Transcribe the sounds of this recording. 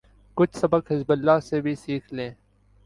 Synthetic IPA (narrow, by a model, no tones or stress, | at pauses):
kʊt͡ʃʰsɐbəkɦɪzbəlːaːsebʱisiːkʰlẽː